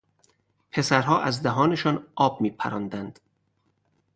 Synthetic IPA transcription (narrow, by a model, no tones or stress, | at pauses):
pʰe̞sæɾɦɒːʔæzd̪æɦɒːneʃɒːnʔɒːb̥̚miːpʰæ̰ɾɒːnd̪ænd̪̥